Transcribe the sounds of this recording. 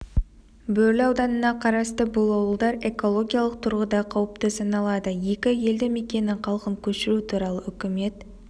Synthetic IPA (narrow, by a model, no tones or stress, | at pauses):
bɵlɑwd̪ɑnənɑqʰɑɾɑst̪əbʊlˠɑwəlˠd̪ɑɾe̞ko̞lˠo̞ɡʲijɑlˠəq̚t̪ʰʊɾʁəd̪ɑqʰɑwəpt̪əsɑnɑlˠɑd̪əje̞kʲɪje̞ld̪ɪme̞kʲe̞nɪŋqʰɑlˠqəŋkʲʰɵʃɪɾut̪ʰuɾɑlˠəʏkʲɪme̞t̪